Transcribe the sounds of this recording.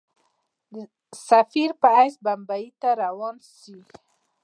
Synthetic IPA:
safiɾpaajsbambait̪aɾawɔnsi

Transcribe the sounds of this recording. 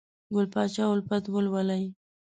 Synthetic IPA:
ɡʊlpɑt͡ʃɑʊlpat̪ɡʊlwalaj

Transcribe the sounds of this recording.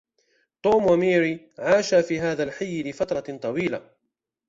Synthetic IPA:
t̪ˤuːmwamiːɾi | ʕaːʃaːfiːɦaːðalħajːɪlɪfɑt̪ɾˤɑt̪ˤɑwiːla̰

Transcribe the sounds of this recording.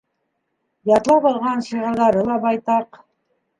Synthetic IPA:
jɑt̪lˠɑpɑlˠʁɑnʃɤ̆ʁɑ̆ɾðɑɾɤlˠɑbɑjt̪ɑq

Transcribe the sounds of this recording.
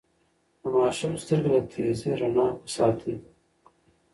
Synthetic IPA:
əmɑːʃɪmst̪əɾɡlat̪ʰeːzeɾanɑːwsɑːt̪ʰi

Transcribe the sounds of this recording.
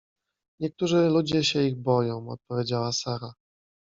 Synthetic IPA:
ɲɛk̚t̪uʐɘlud͡ʑɛɕɛiɣbɔjɔ̃w̃ɔ̰t̪̚pɔvʲjed͡ʑawasaɾa

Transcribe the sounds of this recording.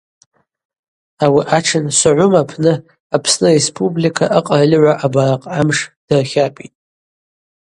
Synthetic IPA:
awiʔaʈ͡ʂʰɨnsʷaʕʷʊmapʰnɨ | apʰsnɨrespʰʼublikʰaʔaqʼaralʲʕʷaʔabaɾaqʼamʂd̥ɨrχʲapʼitʼ

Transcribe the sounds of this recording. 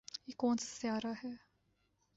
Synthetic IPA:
ikoːnssjaːɾaːɦɛː

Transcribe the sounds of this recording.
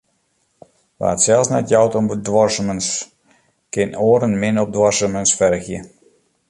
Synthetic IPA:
ʋa̰ːətsɛlˠsnɛ̰tjɔwtɔmbədwɔrsəməns | kɪnoːəɾənmɪnɔp̚dwɔrsəmənsfɛrxjə

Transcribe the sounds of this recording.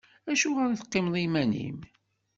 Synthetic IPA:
æʃuʁəɾiθqːɪmðˤimænḭm

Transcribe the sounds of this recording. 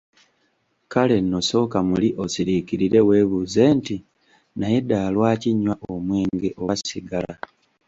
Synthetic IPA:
kale̞nːo̞so̞ːkamuliʔo̞siɾikiɾiɾe̞we̞βuze̞ːnti | naje̞daːlwaːciɲwaʔomweːŋɡeʔo̞wasiɡala

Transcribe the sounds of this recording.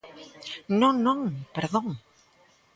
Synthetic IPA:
nõnõŋpeɾðõŋ

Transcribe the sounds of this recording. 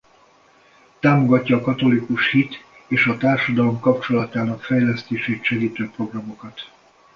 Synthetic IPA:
t̪aːmo̞ɡɒcːɒːkɒt̪o̞likuʃhit̪ | eːʃɒt̪aːrʃɒd̪ɒlo̞mkɒp̚t͡ʃo̞lɒt̪aːnɒkfɛjlɛst̪eːʃeːt̪ʃɛɡiːt̪øːpro̞ɡrɒmo̞kɒt̪

